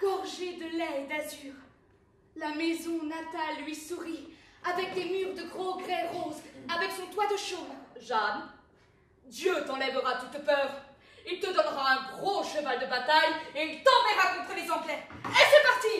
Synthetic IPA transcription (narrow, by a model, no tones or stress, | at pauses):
ɡ̥ɔʁʒed̪əlɛed̪azyːʁ | lamezɔ̃nat̪alːɥisuʁiavɛk̚d̪emyʁd̪əɡʁɑ̃ɡʁɛlʁozavɛksɔ̃t̪wad̪əʃonʒan | d̪jøt̪ɑ̃lɛvəʁat̪ut̪pœːʁ | ilt̪əd̪ɔnʁaɛ̃ɡʁoʃəvald̪əbat̪ajeilt̪ɑ̃mɛʁakɔ̃t̪χəlezɑ̃plɛʁesɛpaʁt̪i